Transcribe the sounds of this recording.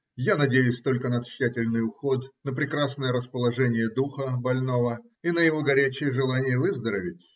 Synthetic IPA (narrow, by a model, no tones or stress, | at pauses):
janɐdʲejʊsʲt̪o̞lʲkənət̪ɕːætʲɪlʲnɨjʊxo̞t̪nəpɾʲɪkɾasnəjəɾəspəlˠɐʐɛnʲɪjəd̪uxəbɐlʲno̞və | inəjɪvo̞ɡɐɾʲæt͡ɕɪjəʐɨlˠanʲɪjəvɨzd̪əɾəvʲɪtʲ